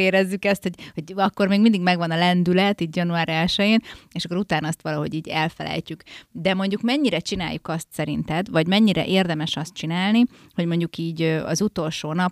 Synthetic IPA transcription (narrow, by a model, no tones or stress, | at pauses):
eːɾɛzːykɛst̪hoɟho̞ɟɒkːo̞rmeːɡmind̪iɡmɛɡʋɒnɒlɛnd̪ylɛt̪iːt̪jɒnuaːɾɛlʃɛjeːneːʃɒkːoɾut̪aːnɒɒst̪ʋɒlɒɦo̞̰ɟiːɟɛlfɛlɛ̰jcykd̪ɛmo̞ɲɟukmɛɲːiɾɛt͡ʃina̰ːjːukɒst̪sɛɾint̪ɛd̪ʋɒɟmɛɲːiɾɛ̰ʔeːrd̪ɛmɛʃɒst̪̚t͡ʃinaːlni | ho̞ɟmo̞ɲɟukiːɟøɒ̰zut̪o̞lʃoːnɒp